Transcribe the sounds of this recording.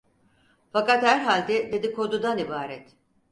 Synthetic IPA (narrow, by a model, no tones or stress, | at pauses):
fakat̪hæɾɦalʲd̪ɛd̪e̞d̪ikʰo̞d̪ud̪anibaːɾɛt̪